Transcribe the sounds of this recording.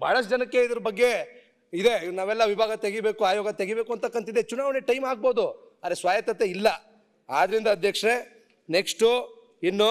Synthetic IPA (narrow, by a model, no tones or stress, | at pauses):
bʱa̰ːɭɐd͡ʒɐnɐkːe̞id̪ɐɾɐbɐɡːe̞ | id̪e̞naːʋɛlːɐʋibʱaːɡɐt̪eɡibeːkuaːjoːɡɐt̪e̞ɡibeːkuɐnt̪ɐkːɐnt̪id̪ːet͡ʃunaːʋɐneʈɐjmaːɡ̚bo̞ːd̪u | ɐd̪ɾesʋaːjɐt̪ːɐt̪eilːɐ | aːd̪ɐɾind̪ɐːd̪ʱjɐkʂɐɾe | neksʈu | inːu